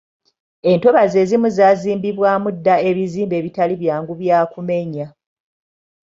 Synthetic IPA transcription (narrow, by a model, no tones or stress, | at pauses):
e̞nto̞βaze̞ːzimuzaːziːmbiβwaːmudːae̞βiziːmbe̞ːβitaliβjaːŋɡuβjaːkume̞ɲa